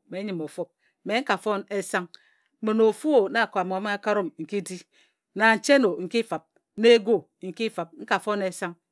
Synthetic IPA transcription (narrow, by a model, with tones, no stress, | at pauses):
me˨˦ɲi˨mo˨fo˦p̚ | me˨˦ŋ̩˦ka˨fo˦ne˦sa˦ŋ˦ | me˨no˨fu˦o˨na˦˨ko˨a˨mo˨a˨mi˦a˦ka˦ɾo˦mŋ̩˨ki˦di˦ | na˨n̩˨t͡ʃe˦no˨ŋ̩˨ki˦fa˨p̚ | ne˦ɡo˦˨ | ŋ̩˨ki˦fa˨p̚ŋ̩˦ka˨fo˦ne˦sa˦ŋ